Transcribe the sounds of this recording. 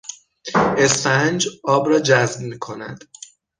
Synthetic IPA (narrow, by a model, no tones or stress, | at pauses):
ʔe̞sfænd͡ʒɒːbɾɒːd͡ʒæzbmiːkʰo̞næ̰d̪̥